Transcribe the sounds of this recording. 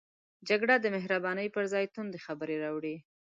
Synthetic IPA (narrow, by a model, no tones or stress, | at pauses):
d͡ʒaɡɽad̪əmɪɦɾabɑnəjpəɾzɑjt̪und̪exabəɾeɾɑwɽi